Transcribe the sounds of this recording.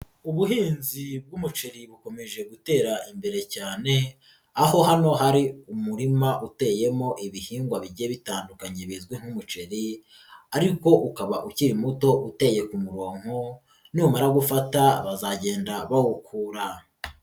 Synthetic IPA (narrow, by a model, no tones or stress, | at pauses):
uβuɦiːnzib̚ɡumut͡ʃe̞ɾiβuko̞me̞ʒe̞ɡute̞ːɾaʔimbe̞ɾe̞caːne̞ | aho̞ɦano̞ɦaɾiumuɾimaʔute̞ːje̞mo̞ʔiβihiːŋɡwaβiɟe̞βitaːndukaɲe̞βizɡwiŋ̥humut͡ʃe̞ɾi | aɾiko̞ʔukaβaʔuciɾimuto̞ʔute̞je̞kumuɾo̞ːŋ̥o | numaɾaɡufataβazaɟe̞ːndaβawukʰuːɾa